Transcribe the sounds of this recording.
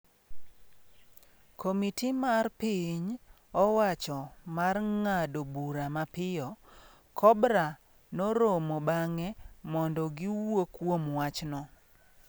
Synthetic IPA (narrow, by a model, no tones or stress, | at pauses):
komitimarpiɲ | ɔwat͡ʃɔmarŋadobuɾamapɪjɔ | kʰɔbɾa | noɾomobaŋɛmɔndɔɡiwokwomwat͡ʃnɔ